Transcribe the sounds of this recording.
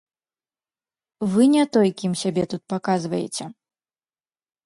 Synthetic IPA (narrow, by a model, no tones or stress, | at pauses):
vɨnʲɛt̪ɔjkʲimsʲabʲɛt̪ut̪̚pakazvɐjɛ̰t͡sʲɛ